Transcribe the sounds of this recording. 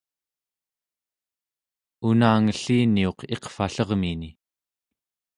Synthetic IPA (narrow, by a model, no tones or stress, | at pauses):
unaːŋəɬːiːnio̞qʰe̞qfaɬʌʁmini